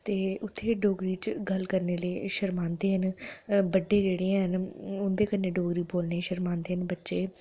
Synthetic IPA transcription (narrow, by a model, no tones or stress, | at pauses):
t̪eːʊt̪ʰːeːɖoːɡɾiːt͡ʃɡəlkəɾneːleːʃəɾmaːnd̪eːɦənbəɖeːd͡ʒeːɽẽːɦənʊnd̪eːkəneːɖoːɡɾiːboːlneːʃəɾmãːnd̪eːɦənbətːʃeː